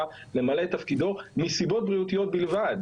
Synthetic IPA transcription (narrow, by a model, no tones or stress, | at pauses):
ale̞male̞t̪afkid̪o̞misibo̞t̪̚bʁiut̪ijo̞t̪̚bilvad̪